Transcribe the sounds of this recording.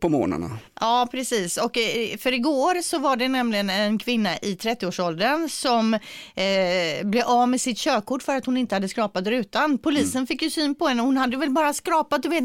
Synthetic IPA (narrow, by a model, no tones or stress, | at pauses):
pʰɔmo̰ːna̰na̰ɑːpʰɾɛsiːsɔkfœɾɪɡoːɾsɔvaɖɛnɛmlɪɡənɛnkʰvɪnːaʔɪt̪ʰɾɛt̪ːɪoːʂɔld̪ənsɔm | blɛavmɛsɪt̪ɕøːkʰːʊʈːfœɾat̪hʊnɪnt̪əhad̪ːəskɾɑːpat̪ɾʉ̟ːt̪anpʰʊliːsənfɪkːjɵsyːnpɔɛnːəhʊnhad̪ːəvɛlbɑːɾaskɾɑːpat̪̚d̪ɵveːt̪